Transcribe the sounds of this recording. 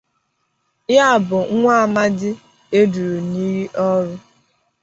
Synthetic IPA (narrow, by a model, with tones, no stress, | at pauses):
ja˦˨bʊ˨ŋ̩˦ŋʷa˦a˨ma˦dɪ˦ | e˦du˨ɾu˨ni˦ɾi˦ʔɔ˦ɾʊ˦